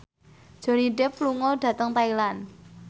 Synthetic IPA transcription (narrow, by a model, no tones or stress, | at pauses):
d̥ʒ̥o̤niɖɛpluŋɔɖ̥ä̤t̪əŋt̪ailan